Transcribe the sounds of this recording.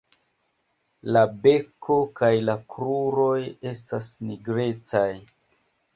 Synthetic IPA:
labe̞kʰo̞kajlakɾuɾo̞je̞stasniɡɾe̞t͡saj

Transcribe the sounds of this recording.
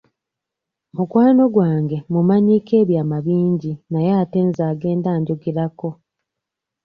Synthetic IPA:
mukwaːno̞ɡwaːŋɡe̞mumaɲiːke̞ːβjaːmaβiːɲɟinajeate̞nzaːɡe̞ːndaːɲɟoɡiɾako̞

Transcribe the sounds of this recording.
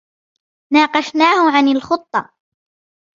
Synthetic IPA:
naːqɑʃnaːhʊʕanalxʊt̪ˤːɑ̰

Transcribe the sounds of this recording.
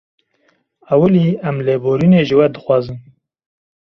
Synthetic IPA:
awəliæmleːboːɾineːʒɨwɛd̪ɨxwɑːzɨm

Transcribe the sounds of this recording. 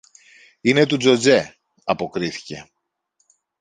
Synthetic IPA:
ine̞t̪ud͡zo̞d͡ze̞ | ɐpo̞kɾiθi̥ce̞̰

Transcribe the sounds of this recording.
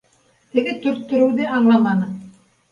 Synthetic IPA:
t̪ɘ̆ɡɘt̪ɵ̆ɾt̪ːɵ̆ɾɘ̆wðɘɑɴlˠɑmɑnɤ

